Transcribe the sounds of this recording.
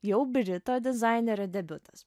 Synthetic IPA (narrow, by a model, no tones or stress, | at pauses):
jɛʊbʲɪɾʲɪt̪oːd̪ʲɪzɑɪnʲɛɾʲɛd̪ʲɛbʲʊt̪ɐ̥s